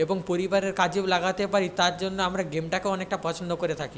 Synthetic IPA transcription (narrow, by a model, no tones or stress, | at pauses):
eboŋpoɾibaɾeɾkad͡ʑilaɡat̪epaɾit̪aɾd͡ʑonːoamɾaɡemʈakeɔnek̚ʈapɔt͡ɕʰond̪okoɾet̪ʰaki